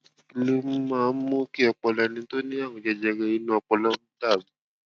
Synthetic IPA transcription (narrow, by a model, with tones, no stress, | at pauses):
klu˦m˦ma˨˦mːu˦ki˦a˨k͡pɔ˨la˨ni˨˦n˦t̪o˦ni˦a˦ŋɔ˨d͡ʒa˨d͡ʒa˨ɡa˦i˦nu˦a˨k͡pɔ˨la˦m˦t̪a˦˨m˨